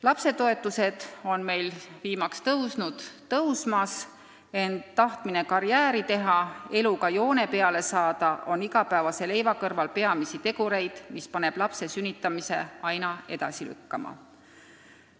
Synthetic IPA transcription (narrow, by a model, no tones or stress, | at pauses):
lɑpse̞t̪o̞e̞t̪ˑːuse̞d̪̥o̞nme̞jlviːmɑkst̪ɤwsnud̪̥t̪ɤwsmɑs | e̞nd̪t̪ːɑht̪mine̞kɑɾjæːɾit̪e̞ɦɑe̞lukɑjo̞ːne̞pe̞ɑle̞sɑːd̪̥ɑʔo̞niɡɑpæːvɑse̞le̞jvɑkɤrvɑlpe̞ɑmisit̪e̞ɡ̥uɾe̞jd̪̥mispɑne̞b̥lɑpse̞synʲːit̪ːˑɑmise̞̰ɑjnɑe̞d̪̥ɑsily̰kːɑmɑ̰